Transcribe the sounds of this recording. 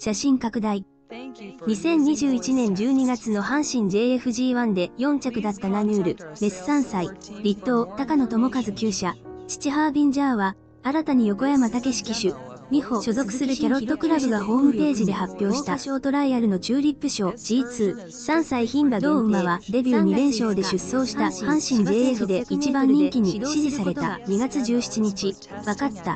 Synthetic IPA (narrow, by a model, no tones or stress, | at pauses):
ɕaɕĩŋkakɯ̟d̪ai | ɲ̟isẽ̞ɲ̟ːiʑɨːit͡ɕinẽ̞ɲ̟d͡ʑɨːɲ̟iɡat͡sɨno̞hãɰ̃ɕĩɲ̟d͡ʑe̞ːeɸɯ̟ʑiːβãnd̪e̞jõ̞ɲ̟t͡ɕakɯ̟d̪at̪ːanamʲɯːɾɯ̟ɾe̞sɨ̥sãɰ̃saiɾʲit̪ːo̞ːt̪akano̞t̪o̞mo̞kazɨkʲɨːɕat͡ɕi̥t͡ɕiɦaːbʲĩɲ̟d͡ʑaːβa | aɾat̪aɲ̟ijo̞ko̞jamat̪ake̞ɕi̥kʲiɕɨ | ɲʲihoɕo̞zo̞kɯ̟̥sɨɾɯ̟kʲaɾo̞t̪ːo̞kɯ̟ɾabɯ̟ɡaɦo̞ːmɯ̟pe̞ːʑid̪e̞hapʲːjo̞ːɕi̥t̪aɕoːt̪o̞ɾaijaɾɯ̟no̞t͡ɕɨːɾʲipːɯ̟ɕo̞ːd͡ʑiːt͡sɨː | sãɰ̃saiçĩmbad̪oːɯmaβad̪e̞bʲɨːɲ̟iɾẽ̞ɰ̃ɕo̞ːd̪e̞ɕɨsːo̞ːɕi̥t̪ahãɰ̃ɕĩɲd͡ʑe̞ːeɸɯ̟d̪e̞it͡ɕibãɲ̟ːĩŋkʲiɲ̟iɕiʑisaɾe̞t̪aɲiɡat͡sɨʑɨːɕi̥t͡ɕiɲ̟it͡ɕi | βakatt̪ːa